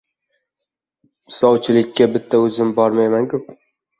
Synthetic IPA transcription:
sɒwt͡ʃʰɪlɪkʲːabɪt̪ʰːaɵzɪmbɒɾmajmankʰʊp̚

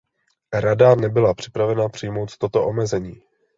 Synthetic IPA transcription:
ɾadanɛbɪlapr̝̥ɪpɾavɛnapr̝̥ɪjmo̞wt̪t̪o̞t̪o̞ʔo̞mɛzɛɲiː

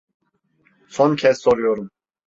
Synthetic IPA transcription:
sʰɔncʰɛssɔɾijoɾum

